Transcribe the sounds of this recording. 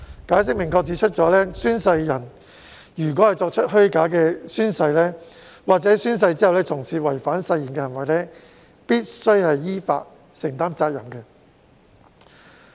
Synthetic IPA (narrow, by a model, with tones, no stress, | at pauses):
kaː˨˥js̬ɪ˥k̚mɪ˨˩ŋkɔː˧k̚t͡siː˨˥t͡ʃʰɵ˥t̚t͡ʃɔː˨˥lɛː˥syː˥nsɐ˧jːɐ˨˩n | jyː˨˩kwɔː˨˥hɐ˨jt͡sɔː˧k̚t͡ʃʰɵ˥t̚hɵ˥ɥkaː˨˥kɛː˧syː˥nsɐ˧jlɛː˥ | waː˨k̚t͡sɛː˨˥syː˥ns̬ɐ˧jt͡siː˥hɐ˨wlɛː˥t͡sʰʊ˨˩ŋsiː˨wɐ˨˩jfaː˨˥nsɐ˧jːi˨˩kɛː˧ɦɐ˨˩nwɐ˨jlɛː˥ | piː˥t̚sɵ˥ɥhɐ˨jːiː˥fa̰ː˧t̚ | sɪ˨˩ŋt̪aː˥mt͡saː˧k̚jɐ˨˩mkɛː˧